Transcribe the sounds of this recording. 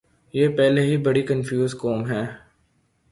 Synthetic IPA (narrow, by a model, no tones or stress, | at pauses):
jeːpɛːleɦibɐɽikənfjuːzkoːmɦɛː